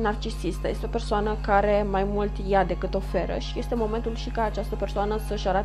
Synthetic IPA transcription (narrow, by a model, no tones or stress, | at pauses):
nart͡ʃisist̪əje̞st̪eo̞pe̞rsoanəkaɾe̞majmult̪jad̪e̞kɨt̪o̞fe̞ɾə̰ʃije̞st̪e̞mo̞ment̪ulʃikaːt͡ʃast̪əpe̞rsoanəsəʃaɾat̪